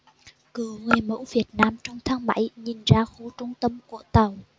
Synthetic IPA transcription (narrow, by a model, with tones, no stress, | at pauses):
kɨ˨˧˩əŋwe˨˩mə̰˧˥wvi˨˩ət̚naː˧mt͡ɕɔ˧wŋ͡mt̪ʰaː˨˦ŋma̰˧˥jɲi˨˩nzaː˧xu˧˦t͡ɕʊ˧ŋ͡mt̪ə˧mku˧˩ət̪ə˨˩w